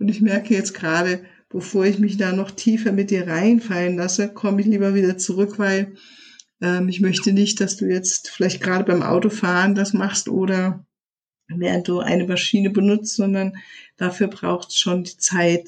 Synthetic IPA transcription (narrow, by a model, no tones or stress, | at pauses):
ʔʊntɪçmɛɐkəjɛt͡st̚ɡ̥ʁaːɾə | b̥əfoːɐɪçmɪçd̥aːnɔχtʰiːfɐmɪt̚d̥iːɐʁaɪnfalənlasəkʰɔməɪçliːbɐviːdɐt͡suʁʏkv̥aɪl | ʔɛːmɪçmœçtənɪçt̚d̥asd̥uːjɛt͡stfɪlaɪçt̚ɡ̥ʁaːɾəbaɪmʔa̰ʊtofaːʁəndasmaχstʔoːɾɐ | veːʁənt̚d̥uːʔa̰ɪnəmaʃiːnəbənʊt͡stz̥ɔndɐnd̥afyːɐbʁa̰ʊxtsʃoːndiːt͡saɪt